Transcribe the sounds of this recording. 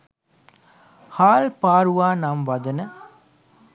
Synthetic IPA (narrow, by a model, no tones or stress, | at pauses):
haːlpaːɾuʋaːnamʋɐd̪ɐnɐ